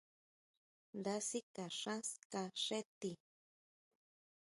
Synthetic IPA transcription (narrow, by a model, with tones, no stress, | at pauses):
nd̪a˧˦si˦ka˨ʂã˦ska˧ʂe˦t̪i˨